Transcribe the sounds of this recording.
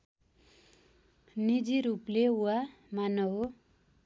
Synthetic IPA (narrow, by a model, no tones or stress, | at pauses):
nid͡ziɾupleuwa | manʌɦo